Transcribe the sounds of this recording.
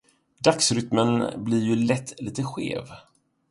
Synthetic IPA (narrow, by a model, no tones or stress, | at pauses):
d̪aksɾʏt̪mənblɪɾjɵlɛt̪ːliːt̪əɧḛːv